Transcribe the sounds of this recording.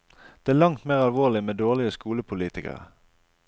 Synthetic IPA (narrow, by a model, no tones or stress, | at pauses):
d̪̥eːæːʁlɑŋt̪meːʁɑlʋoːʁlɪmeːd̪oːʁlɪəskuːləpʰʊliːt̪ɪkə̰ʁə̰